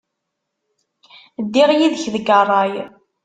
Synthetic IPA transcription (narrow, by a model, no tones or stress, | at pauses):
d̪ːiʁjiðəçðəɡərˤːɑj